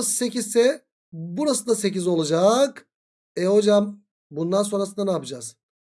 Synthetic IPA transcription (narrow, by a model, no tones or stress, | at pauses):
sɯ̥se̞cizsɛ | buɾasɯd̪ase̞cizo̞lˠad͡ʒak | ɛho̞d͡ʒam | bund̪anso̞nɾasɯnd̪anaːpɯd͡ʒaz̥